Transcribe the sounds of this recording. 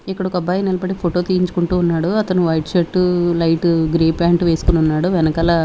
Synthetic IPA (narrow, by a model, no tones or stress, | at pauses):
ikːɐɽɐɔkɐbaːjinilɐbɐɽepʰoʈo̞ːt̪ijiɲt͡ʃu̥kuɳʈuːnːaːɽuɐt̪ɐnuʋɐjʈt͡ʃɐʈːulɐjʈuɡɾeːpaːɳʈʋeːsu̥kununːaːɽuʋɛnɐkɐlaː